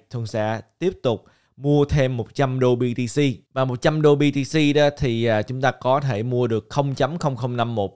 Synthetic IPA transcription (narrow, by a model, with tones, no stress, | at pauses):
t̪ʰɨ˧əŋsa̰ː˧˥t̪i˦˥əp̚t̪ʊ˨˩k͡p̚ | mu˧ət̪ʰe˧mːo˨˩t̚t͡ɕa˧mɗo˧ɓi˧t̪i˧si˧vaː˨˩mo˨˩t̚t͡ɕa˧mɗo˧ɓi˧t̪i˧si˧ɗɔ˨˦t̪ʰi˨˩ʔaː˨˩t͡ɕʊ˨˦ŋ͡mt̪aː˧kɔ˨˦t̪ʰe˧˩mu˧əɗɨ˨˩ək̚xə˧wŋ͡mt͡ɕə˨˦mxə˧wŋ͡mxə˧wŋ͡mna˧mːo˨˩t̚